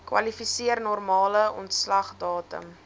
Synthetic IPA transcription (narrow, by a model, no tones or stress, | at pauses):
kwɐ̰lifisiərnɔrmɑːləɔ̰ntslɐχdɑːtə̰m